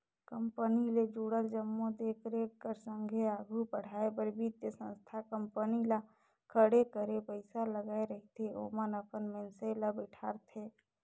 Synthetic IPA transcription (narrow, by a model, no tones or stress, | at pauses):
kəmpəniled͡ʒuɽəld͡ʒəmːod̪eːkʰɾeːkːəɾsə̃ŋɡʱeaːɡʱupəɽ̤aːepəɾbʱit̪jəsə̰̃nst̪ʰakəmpənila | kʰəɽekəɾepəɪsaləɡaːeɾəɦit̪ʰeo̰ːmənəpənmẽnselabɪʈʰaːɾt̪ʰeː